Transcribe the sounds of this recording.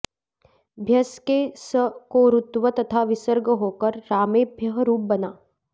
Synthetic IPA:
bʱjɐskesəkoːɾʊt̪ʋət̪ɐt̪ʰaːʋɪsəɾɡəɦoːkəɾːaːmeːbʱjəɦɾuːp̚bɐnaː

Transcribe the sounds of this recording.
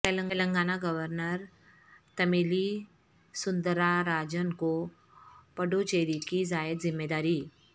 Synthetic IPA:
t̪ələŋələŋɡanaɡəʋəɾnəɾ | t̪əmili | sund̪ɾaɾad͡ʑənko | pəɽot͡ɕeɾikid͡zajət̪d͡zimːed̪aɾiː

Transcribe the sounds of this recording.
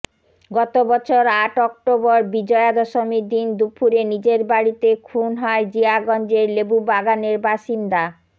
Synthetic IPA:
ɡɔt̪obɔt͡ɕʰoɾaʈɔk̚ʈobɔɾbid͡ʑɔead̪ɔʃomid̪ind̪upʰuɾenid͡ʑeɾbaɽit̪ekʰunɦɔed͡ʑiaɡɔnd͡ʑeɾlebubaɡaneɾbaʃind̪a

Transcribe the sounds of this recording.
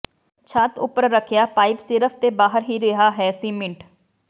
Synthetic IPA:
t͡ʃʰaːt̪ʊ̰pəɾːəkʰjaːpaːɪpsɪɾəfʰt̪ebaːɦəɾɦiɾeɦaːɦɛːsiːmɪ̃ɳʈ

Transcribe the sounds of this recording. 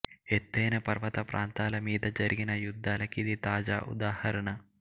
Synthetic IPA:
et̪ːeːnɐpɐrʋɐt̪ɐpɾaːnt̪aːlɐmiːd̪ɐd͡ʒɐɾiɡinɐjud̪ʱːaːlɐkːid̪it̪aːd͡ʒa̰ːʔṵd̪aːhɐɾɐɳɐ

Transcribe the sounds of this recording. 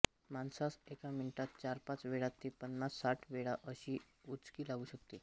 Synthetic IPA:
mansasekaminʈat̪̚t͡ɕaɾpãt͡sʋeɭat̪ːipənːasːaʈʰʋeɭaʔəɕiː | ut͡skiːlaɡuːɕəkt̪e

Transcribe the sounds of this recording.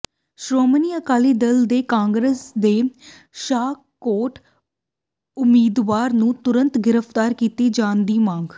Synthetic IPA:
ʃɾoːmniːəkaːliːd̪ɪld̪eːkãːŋɡɾesd̪eː | ʃaː | koːʈ | ʊmiːd̪ʋaːɾnũːt̪ʊɾə̃nt̪ɡɪɾəfʰt̪aːɾkiːt̪iːd͡ʒãːnd̪iːmãːŋɡ

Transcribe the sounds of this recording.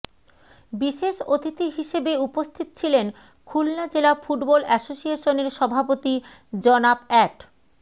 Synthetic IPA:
biʃeʃot̪it̪iɦiʃebeupost̪ʰit̪o̥t͡ɕʰilen | kʰulnad͡ʑelafuʈbɔlɛsoʃieʃoneɾʃɔbʱapot̪i | d͡ʑɔnabɛʈ

